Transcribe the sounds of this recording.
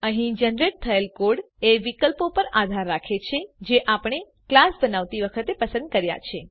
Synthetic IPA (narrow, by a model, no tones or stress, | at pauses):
əɦĩd͡ʒənɾeʈ̚t̪ʰəelkoɽ | eʋikəlpopəɾad̪ʱaɾːakʰet͡ʃʰed͡ʒeʔapəɳ̃e | klasbənaʋt̪iʋəkʰət̪epəsə̃nd̪̚kəɾja̰t͡ʃʰe